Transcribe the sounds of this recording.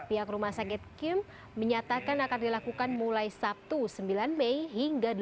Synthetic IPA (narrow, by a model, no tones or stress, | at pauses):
piɦakrumahsakɛt̪̚kɪmː | əɲat̪akanakardilakukanmulajsap̚t̪usəmbilanmɛjɦiŋɡad